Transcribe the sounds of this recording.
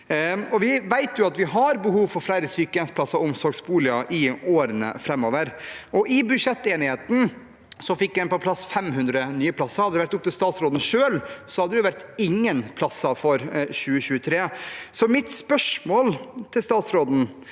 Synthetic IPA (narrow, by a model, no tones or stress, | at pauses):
ɔʋɪʋæɪt̪jʊɑt̪ʋɪɦɑɾbəɦuːʋfɔɾflæɪɾəsyːkəɛnspʰlɑsːɑʊmsɔɾɡsbuːlɪəʔɪoːɾənə̰fɾɛmːoːʋəɾɔʔɪbʉʂɛt̪ːeːnɪheːt̪n̩ | sɔfɪkːjæɪnpɔpʰlɑsfɛmɦʉnd̪ɾənyːəpʰlɑsːɑɾhɑd̪əɾʋæʈt̪ʊp̚ːt̪ɪlst̪ɑːt̪sɾoːd̪n̩ʂøːlsɔhɑd̪ːɛjʊʋæɾt̪ɪŋːənpʰlɑsɑfɔɾɕʉːəɕʉːət̪ʰɾeːsɔmɪt̪spœʂmoːlt̪ʰɪlst̪ɑːt̪sɾoːd̪n̩